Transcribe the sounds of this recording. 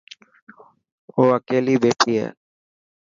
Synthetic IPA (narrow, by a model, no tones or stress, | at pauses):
oːəkeːliːbeːʈʰiːɦɛ̰ː